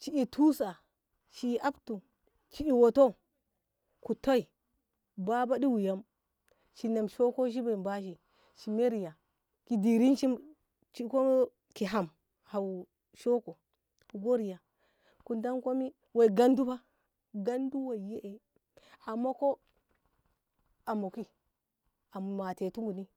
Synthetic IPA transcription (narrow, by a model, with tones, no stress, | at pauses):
t͡ʃi˦ʔi˨tʰu˦sa˨ | ʃiː˨ʔa˦btu˨ | t͡ʃi˦i˨wo˨to˦ | ku˨to˦i˨ | ba˦ba˦di˦wi˨ja˦m | ʃi˨ne˨mʃo˦ko˦ʃ̬i˦ba˨i˨ba˦ʃ̬i˨ | ʃi˨me˦ɾi˨ja˨ | ki˨di˨ɾi˦nʃi˦m | t͡ʃi˦ko˦ | ki˨ɦa˨m | ha˨w | ʃo˦ko˨ | ku˨ɡo˦ɾi˨ja˨ | ku˨nda˦nko˦mi˦ | we˨i˨ɡa˦ndu˦ba˦ | ɡa˦ndu˦wa˨je˦ʔe˨ | a˨mːa˦ko˦ | a˨mo˨ki˦ | a˨m˨ma˨te˨tu˦ŋɡu˨ni˦